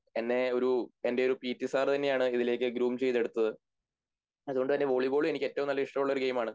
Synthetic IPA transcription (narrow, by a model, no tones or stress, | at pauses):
enːe̞o̞ɾue̞nde̞o̞ɾupiːtːisaːrt̪ɐnːe̞jaːɳɨiðile̞ːkʲːɨɡɾuːmt͡ɕe̞jt̪ːe̞ɽut̪ːɐðɨ | ɐðuɣo̞ɳɖɨt̪ɐnːe̞ʋo̞ɭibo̞ːɭume̞nikʲːe̞tːɐʋumnɐlːɐiʂʈɐmuɭːɐoɾuɡe̞jmaːɳɨ